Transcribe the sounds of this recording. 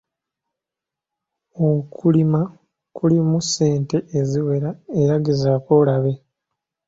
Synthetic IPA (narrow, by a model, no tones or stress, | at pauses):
okʰulima | kulimusːe̞ːnteʔeziwe̞ɾaeɾaɡizaːko̞ːlaβe̞